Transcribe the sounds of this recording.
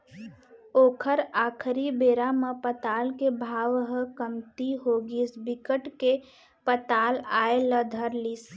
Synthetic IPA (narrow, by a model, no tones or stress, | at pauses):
oːkʰəɾaːkʰɾibeːɾaməpət̪aːlkebʱaːʋɦəkəmt̪iɦoːɡisbɪkəʈke | pət̪aːlaːeləd̪ʱəɾlis